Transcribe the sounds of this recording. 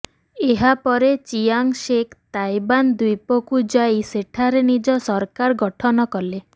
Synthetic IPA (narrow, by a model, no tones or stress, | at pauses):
eɦapɔɾet͡ʃiaŋsekʰt̪ajband̪ujpɔkud͡ʒajseʈʰaɾenid͡ʒɔsɔɾkaɾɡɔʈʰɔnɔkɔle